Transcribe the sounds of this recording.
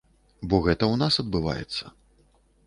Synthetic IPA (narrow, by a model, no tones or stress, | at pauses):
bɔɣɛt̪ɐwnasɐd̪̚bɨva̰jɛ̰t̪sːɐ